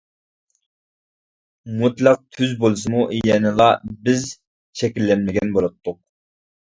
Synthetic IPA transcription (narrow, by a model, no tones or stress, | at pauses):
mut̪lˠɑq̚t̪ʰyzbolˠɨs̬ɨmuʔjɛnɨlˠɑbɪz | t͡ʃʰɛkʲilːɛnmɪɡʲɛnbolˠɑt̪ʰːʊq